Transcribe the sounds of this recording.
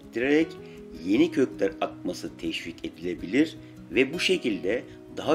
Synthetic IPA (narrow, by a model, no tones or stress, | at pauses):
t̪ʰiɾeɾɛc | je̞nicʰø̞clʲæɾat̪̚masɯt̪ʰɛʃvice̞d̪ilʲe̞bilʲiɾ | vɛbuʃe̞cilʲd̪ɛ | d̪aɦa